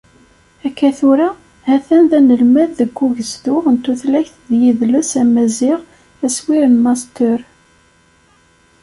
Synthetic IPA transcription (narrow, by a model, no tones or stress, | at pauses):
ækːæθʊɾa | hæθænðænəlmæðːəɡʷːuʝəzðʊʁənt̪ːuθlæçθðjiðləsæmæzɪʁ | æswiɾənmɑst̪əɾ